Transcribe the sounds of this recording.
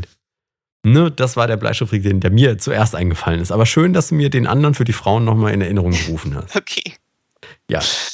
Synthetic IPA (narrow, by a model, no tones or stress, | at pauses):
nəd̥asv̥aːɐdɾeːɐbla̰ɪʃtʊfʁ̥ik̚d̥eːndeːɐmiːɐt͡suʔeːɐstʔaɪnŋɡəfalənɪstʔaːbɐʃøːndasd̥uːmiːɐdeːnʔa̰ndɐʁənfyːɐdiːfʁ̥aʊənːɔχmaːlɪ̰nɛɐɪnəʁ̞ʊŋɡəʁuːfn̩ha̰stokʰeː | ja̰ː